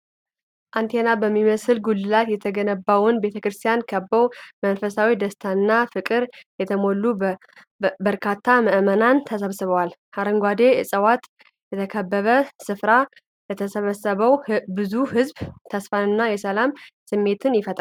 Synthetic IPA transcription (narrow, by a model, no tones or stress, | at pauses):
ʔant̪ʰenabəmːiməsɨlɡulːɨlat̪jɛt̪ʰəɡənəbːawʊnbe̞t̪ʰəkɾɨst̪ʰijankʰəbːəwmənfəsawid̪əst̪ʰanːafɨkʼɨɾjɛt̪ʰəmolːu | bəɾkʰat̪ʰːaməʔmənant̪ʰəsəβsɨβəwalhaɾəŋɡʷad̪e̞jɛsʼəwat̪ | jɛt̪ʰəkʰəbːəβəsɨfɾa | lɛt̪ʰəsəβəsəβəwbɨzuhɨzbt̪ʰəsfanɨnːajɛsəlamsɨmːe̞t̪ʰɨnjɪfət̪ʼa